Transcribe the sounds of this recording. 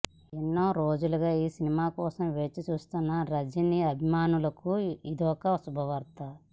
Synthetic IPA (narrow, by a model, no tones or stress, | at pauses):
enːoːɾo̞ːd͡ʒuluɡaːiːsinimaːkɔːsɐmʋe̞ːt͡ʃːit͡ʃuːst̪unːɐɾɐd͡ʒiniɐbʱimaːnulɐkuid̪ɔːkɐsubʱɐʋɐɾt̪ɐ